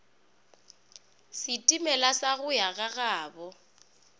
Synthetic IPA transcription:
sɪtʼimɛlasaɣʊjaɣaɣaːbɔ

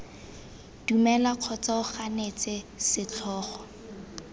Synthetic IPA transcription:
d̥umɛlaq͡χʰɔt͡saʊχanet͡sʼɪsɪt͡ɬʰɔːχɔ

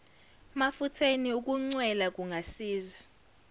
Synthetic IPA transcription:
mafutʰeniuk̬ʼuŋ͡ǀwɛlak̬ʼuŋɡʱasiːza

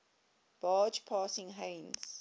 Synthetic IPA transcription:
b̥ɑːd͡ʒpʰɑːsɪ̃ŋɦẽɪnz̥

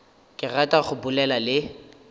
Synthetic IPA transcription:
kʼɪratʼaχʊbʊlɛlalɪ

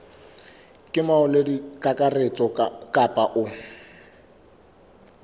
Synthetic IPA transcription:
kʼɪmaʊledikʼakʼaret͡sʼɔkʼapʼaʔʊ

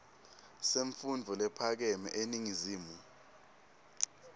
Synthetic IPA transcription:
seɱfundʱɔlɛpʰak̬ɛmɛ̰ʔeniŋiziːmu

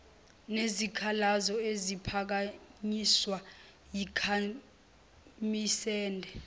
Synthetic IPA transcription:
nezikʰalazɔezipʰak̬aɲiswa | jikʰa | misɛːndʱɛ

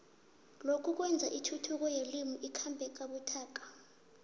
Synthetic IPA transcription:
lokʰuk̬wɛnd͡zʱa̰ʔitʰutʰuk̬ɔjelimuʔikʰambʱɛk̬aɓutʰaːk̬ʼḁ

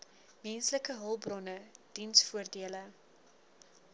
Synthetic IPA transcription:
mɛnsləkəɦəlˠbrɔnəd̥insfuərdiələ

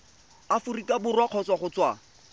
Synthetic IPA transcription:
afʊrikabʊrwaq͡χʰɔt͡swaχʊt͡swa

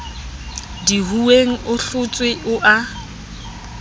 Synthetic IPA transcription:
diɦueŋ̩ʔʊɬʊt͡sʼwɪʔʊʔa

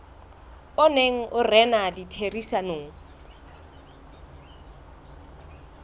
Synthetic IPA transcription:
ʊneŋ̩ʔʊrɛnaditʰerisanoːŋ̩

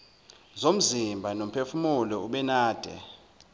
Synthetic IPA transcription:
zom̩zimbʱanom̩pʰefumulɔuɓɛnaːd̥ʱɛ̰

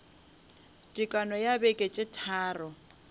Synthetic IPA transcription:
tʼikʼanɔjabekʼet͡ʃʼɪtʰaːrɔ

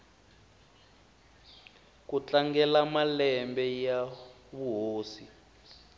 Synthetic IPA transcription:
kut͡ɬaŋɡɛlamalɛmbɛja | βuɦoːsi

